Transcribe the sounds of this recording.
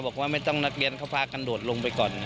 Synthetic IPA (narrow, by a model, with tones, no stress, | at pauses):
bɔː˨˩k̚waː˥˩ma˥˩jt̪ɔ˥˩ŋna˦˥k̚ɾi˧ənkʰa˥˩wpʰaː˧ka˧ndu˨˩t̪̚lo˧ŋpa˧jkɔː˨˩nːa˦˥